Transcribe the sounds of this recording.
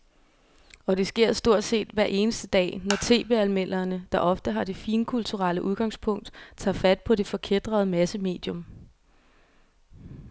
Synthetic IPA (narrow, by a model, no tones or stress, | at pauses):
ɒ̽d̥e̝sɡ̥e̝ɐ̰sd̥o̝ɐ̰d̥se̝̰ːd̥ʋæɐ̰ʔe̝ːnəsd̥əd̥ɛ̰ːnɒt͡sʰe̝̰ːb̥e̝̰ælmel̰ɐnəd̥ɑ̈ʔɒ̽fd̥əɦɑ̈d̥e̝fiːnkʰult͡sʰuʁɑləʔuð̞ˠɡ̥ɑ̈ŋspʰɔ̽ŋ̰d̥t͡sʰɑ̰̈fæd̥̚pʰɒ̽d̥e̝fɒ̽kʰed̥ʁɐð̞̩ˠmæsəme̝̰ːd̥jɔ̽m